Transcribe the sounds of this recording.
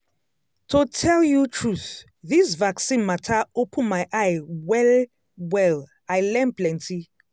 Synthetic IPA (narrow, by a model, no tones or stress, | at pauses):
tʰutʰɛljutʰɹuθ | ðisvaksĩnmatʰaopʰə̃nmajʔajwɛl | wɛl | ajlɛ̃mplɛ̃nti